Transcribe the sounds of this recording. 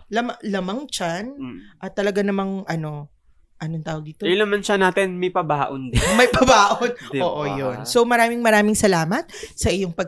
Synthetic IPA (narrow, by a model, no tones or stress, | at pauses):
lɐmɐlɐmɐŋt͡ʃanʔɐt̪ːɐlɐɡanɐmɐŋʔɐno̞ | ʔɐnoŋt̪aːwɐɡ̚d̪iːt̪olɐmɐnt͡ʃanaːt̪ɪnmɐjpɐbaːʔond̪ɪmɐjpɐbaːʔonoːʔojonso̞wmɐɾaːmɪŋmɐɾaːmɪŋsɐlaːmɐt̪̚sɐʔɪjo̞ŋpɐɡ̚